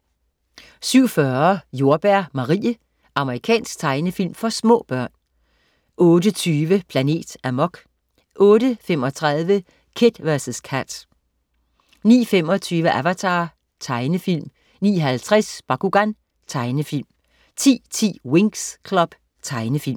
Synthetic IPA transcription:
syʊ̰fɶɐjo̝ɐb̥æɐ̰mɑ̈ʁḭːə | ʔɑ̈məʁikʰɛ̰ːnsɡ̥̚t͡sʰɑ̈ɪnəfil̰mfɒ̽smɔ̰̽ːb̥ɶɐ̰n | ɔ̽ːdət͡sʰyːʋəpʰlæne̝̰ːd̥æmɒ̽ɡ̥ | ʔɔ̽ːɾəfemɒ̽t͡sʰʁaðˠʋə | kʰe̝d̥ʋæɐsskʰæd̥ | nḭːfem̰ɒ̽t͡sʰyːʋəʔæʋæt͡sʰɑ̈ː | t͡sʰɑ̈ɪnəfil̰m | nḭːɦælt͡sʰʁɛsb̥ɑ̈kuɡ̥æn | t͡sʰɑ̈ɪnəfilm | t͡sʰḭːt͡sʰḭːwe̝ŋskʰlɒ̽b̥ | t͡sʰɑ̈ɪnəfil̰m

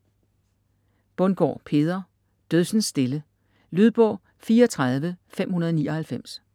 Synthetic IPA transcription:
b̥ɔ̽nɡ̥ɒ̰ːpʰe̝ːð̞ˠɐ | d̥øðˠsn̩sːd̥e̝lə | lyð̞ˠb̥ɒ̰̽ː | fiːɐɒt͡sʰʁɑð̞ˠʋəfem̰hunɐðˠniːʔɒhælfem̰s

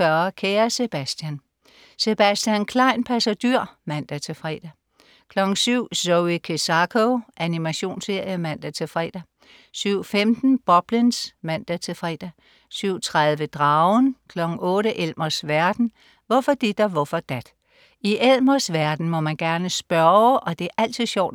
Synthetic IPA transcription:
ɶɐkʰeːɐse̝b̥æsd̥jæn | se̝b̥æsd̥jænkʰlɑ̈ɪ̰npʰæsæd̥yɐ̰mæn̰d̥æt͡sʰe̝lfʁɛ̰ːd̥æ | kʰlɒ̽ɡ̥ŋ̩syʊ̰soikʰesɑkʰoʔænimæɕo̝̰ːnsːe̝ɐ̰jəmæn̰d̥æt͡sʰe̝fʁɛ̰ːd̥æ | syʊ̰femd̥n̩b̥ɒ̽b̥linsmæn̰d̥æt͡sʰe̝lfʁɛ̰d̥æ | syʊ̰t͡sʰʁaðˠʋəd̥ʁɑ̈ʊnkʰlɒ̽ɡ̥ŋ̩ɔ̽ːɾəʔelmɐsʋæɐd̥n̩ | ʋɒ̽fɒ̽d̥id̥æʋɒfɒd̥æd̥ | iʔelmɐsʋæɐd̥n̩mɒ̽mænɡ̥æɐnəsb̥ɶɐʔɒ̽d̥e̝æɐʔæl̰t͡sʰiðˠɕɒʊ̰d̥

